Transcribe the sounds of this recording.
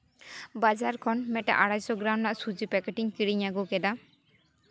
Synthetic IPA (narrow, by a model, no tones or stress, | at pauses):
bad͡ʒaɾkʰɔnmɛʈa̰ʔaɽajsɔɡɾawnnaʔsud͡ʒipɛkeʈiŋkiɽiɲaɡokɛd̪a